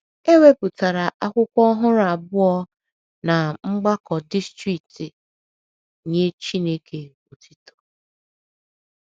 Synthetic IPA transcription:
e˦we˦pu˨ta˨ɾa˨ʔa˦kʷʊ˦kʷɔ˦ɦʊ˦ɾa˨bʊ˦ɔ˦ | na˨ŋ͡m̩˦ɡ͡ba˦kɔ˨di˦stɾi˨k̚ti˨ | ɲe˦t͡ʃi˦ne˦kʰe˨ | o˨tʰi˦to̥˨

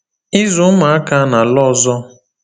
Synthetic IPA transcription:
ɪ˦zʊ˨˦ma˨a˦ka˦na˨lɔ˦zɔ˦

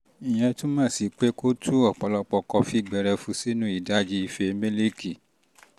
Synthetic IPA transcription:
i˨j̃ɛ̃˧tũ˦mãː˦˨si˨˧k͡pe˦ko˦tʰu˦ɔ˦˨k͡pɔ˨˧lɔ˧k͡pɔ˧kɔ˧fi˦˨ɡ͡bɛ˧ɾɛ˧fũ˧si˦nũ˦i˦˨da˦d͡ʒi˦i˧fe˧˦mẽ˦li˦ki˨

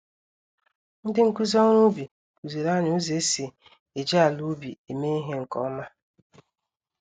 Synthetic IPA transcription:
n̩˦dɪ˦ŋ̩˦˨ku˦zɔ˦ŋu˦bi˨ | ku˨ze˨ɾa˦ɲ˨o˦ze˨˦si˨ | e˨d͡ʒe˦a˨lu˦bi˨e˨me˦i˦ɦe˦ŋ̩˨kɔ̰˦ma˦

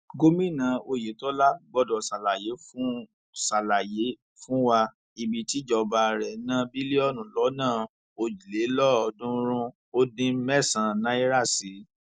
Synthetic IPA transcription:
ɡo˦mĩ˦˨nã˨˦o˧je˨˦tɔ˦la˦ɡ͡bɔ˧dɔ˨sa˨la˨je˨˦fũ˦ | sa˨la˨je˨˦ | fũ˦wa˧ | i˨bi˨ti˨˦d͡ʒɔ˧ba˧ɾɛ˨˦nã˦bi˦le˦ɔ˦˨nũ˨lɔ˨˦nãː˦˨ | o˧d͡ʒi˨le˨˦lɔ˦ɔ˧dũ˦ɾ̃ũ˦ | o˦dĩ˧mɛ˦˨sã˨nã˦i˦ɾa˦˨si˨˦

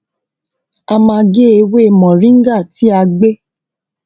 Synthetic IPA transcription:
a˧mã˧ɡe˦e˧we˦e˧˨mɔ̃˨ɾĩ˦ŋ̩˦ɡa˦˨ti˦a˧ɡ͡be˦

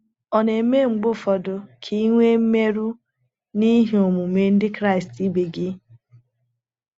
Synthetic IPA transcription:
ɔ˨ne˨˦me˦ŋ͡m̩˨ɡ͡bʊ˦fɔ˨dʊ˨kʰi˦i˦ŋʷe˦m̩˦me˦ɾu˦ | ni˦ɦi˨o˨mu˨me˨n̩˦dɪ˦kɾa˦˨ɪ˨sti˦be˨ɡɪ˦

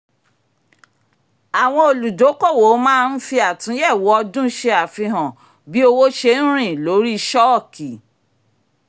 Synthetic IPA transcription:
a˨w̃ɔ̃˧o˧lu˨do˨˦kɔ˦˨wo˨˦mãː˦˧n̩˦fi˧a˨tũ˨˦jɛ˦˨wɔ˨˦ɔ˧dũ˦ʃe˧a˨fi˧ɦɔ̃˨ | bi˨˦o˧wo˦ʃe˧n̩˦ɾ̃ĩ˦˨lo˨˦ɾi˦˧ʃɔ˦˨ki˨

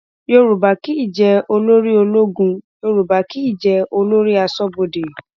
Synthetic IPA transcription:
jo˧ɾu˨ba˨ki˦i˦˨d͡ʒɛ˧o˧lo˦ɾi˦o˧lo˦ɡũ˧jo˧ɾu˨ba˨ki˦i˦˨d͡ʒɛ˧o˧lo˦ɾi˦a˧sɔ˦bo˧de˨j

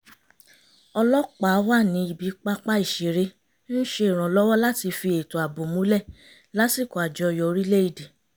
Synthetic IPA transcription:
ɔ˧lɔ˦k͡pa˨˦wa˦˨nĩ˨˦i˨˧˨bi˨˧˦k͡pa˦k͡pa˦i˦˨ʃe˨ɾe˧ | n̩˦ʃe˧˦i˨ɾ̃ã˨˦lɔ˦wɔ˦la˦ti˧fi˧e˨to˨a˨bo˨mũ˨˦lɛ˦˨ | la˦si˦˨kɔ˨a˨d͡ʒɔ˧˨jɔ˨˧ɾi˦le˦i˨di˨

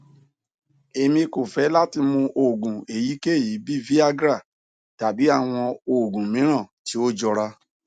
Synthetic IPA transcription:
e˧mĩ˧ko˨fɛ˨˦la˦ti˧mũ˧ʔo˨ɡũ˨e˨ji˨˦ke˦e˦˨ji˨˦bi˦vi˦a˦ɡɾa˦˨ | ta˨bi˨˦a˦˨w̃ɔ̃˧o˨ɡũ˨mĩ˨˦ɾ̃ã˦˨ti˨˦o˦d͡ʒɔ˧ɾa˧

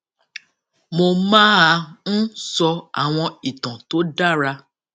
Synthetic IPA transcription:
mo˧mãː˦a˧ñ̩˦sɔ˧a̰˨w̃ɔ̃˧i˨tɔ̃˨to˦da˦˨ɾa˧

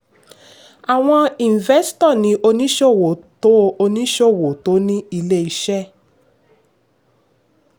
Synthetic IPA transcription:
a˨w̃ɔ̃˧i˨n˨vɛ˦stɔ˦˨nĩ˨˦ʔo˧nĩ˦ʃo˦˨wo˨to˨˦˧o˧nĩ˦ʃo˦˨wo˨to˨˦nĩ˦i˧le˦i˧ʃɛ˦

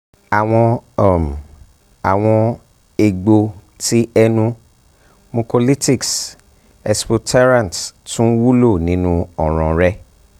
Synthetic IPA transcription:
a˨w̃ɔ̃˧˨m˨ | a˨w̃ɔ̃˧ | e˨ɡ͡bo˧ | ti˦ɛ˦nũ˧ | mõ˧po˧li˦ti˦˨ks | ɛ˧spo˧tʰa˦ɾã˦˨n˨ttũ˦wu˦lo˦˨nĩ˦nũ˦ɔ˨ɾ̃ɔ̃˨ɾɛ˦

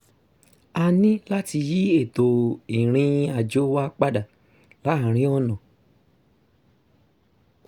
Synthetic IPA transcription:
a˧nĩ˦la˦ti˧ji˦e˦˨to˨i˨ɾ̃ĩ˧a˧˨d͡ʒo˦wa˦k͡pa˦da˨ | la˨˦a˨ɾ̃ĩ˦ɔ˦nɔ̃˨

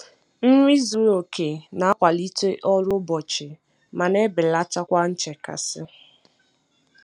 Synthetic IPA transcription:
n̩˦ɾi˦zu˨o˨kʰe˨na˨˦a˦kʷa˨li˦te˦ʔɔ˦lʊ˦bɔ˨t͡ʃɪ˨ | ma˨ne˦bɪ˨la˦t͡ʃa˦kʷa˦n̩˦t͡ʃe˨ka̰˨sɪ˦

